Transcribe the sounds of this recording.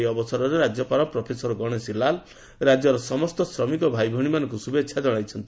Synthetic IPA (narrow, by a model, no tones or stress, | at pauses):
jɔbɔsɔɾɔɾeɾad͡ʒɔpaɾɔpɾɔpʰesɔɾɔɡɔɽ̃esilal | ɾad͡ʒɔɾɔsɔmɔst̪ɔsɾɔmikɔbʱajbʱɔɽ̃imanɔŋkusubetːt͡ʃʰad͡ʒɔɽ̃ajt͡ʃʰɔnt̪i